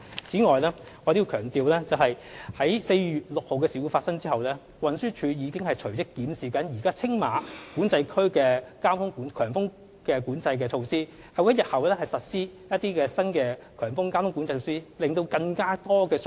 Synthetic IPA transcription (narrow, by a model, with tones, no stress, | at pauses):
t͡sʰiː˨˥ŋɔː˨jlɛː˥ | ɔː˨˧t̪i˧wkʰœː˨˩ŋt̪iː˨wlɛː˥t͡sɐ˨wɦɐ˨j | hɐ˨˥jse˧jjyː˨t̚lʊ˨k̚ho˨wkɛː˧si˨˩wu˨˧faː˧tsɐ˥ŋt͡siː˥hɐ˨wlɛː˥ | wɐ˨nsyː˥t͡ʃʰyː˨˧jiː˨˧kɪ˥ŋhɐ˨jt͡ʃʰɵ˨˩ɥt͡sɪ˥kːiː˨˥nsiː˨kɐ˨˥njiː˨˩kaː˥t͡sʰɪ˥ŋmaː˨˧kuː˨˥nt͡sɐ˧jkʰɵ˥ɥkɛː˧kaː˥mt̪ʰʊ˥ŋkuː˨˥nkʰœː˨˩ŋfʊ˥ŋ | kɛː˧kuː˨˥nt͡sɐ˧jk̬ɛː˧t͡ʃʰo˧wsiː˥ | hɐ˨wjɐ˥t̚jɐ˨t̚hɐ˨wlɛː˥hɐ˨jsɐ˨t̚siː˥jɐ˥t̚t̪iː˥kɛː˧sɐ˥nkɛː˧ | kʰœː˨˩ŋfʊ˥ŋkaː˥mt̪ʊ˥ŋku˨˥nt͡sɐ˧jsiː˥lɪ˨˩ŋt̪o˧wkɐ˧ŋkaː˥t̪ɔː˥kɛː˧s